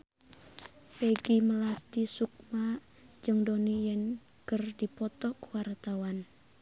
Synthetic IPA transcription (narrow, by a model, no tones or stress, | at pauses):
peɡiməlat̪isuk̚ma | d͡ʒɨŋdonijɛn | kərdipɔt̪ɔkəwart̪awan